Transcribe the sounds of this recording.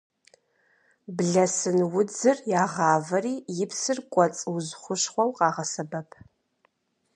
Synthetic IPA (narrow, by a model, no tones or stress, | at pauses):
bɮɐsɨnwʊd͡zɨrjaːʁɑːvɐriːjɪpʰsɨrkʷʼɔt͡sʼɨwzχʷʊʃχʷɔwqɑːʁɐsɐbɐpʰ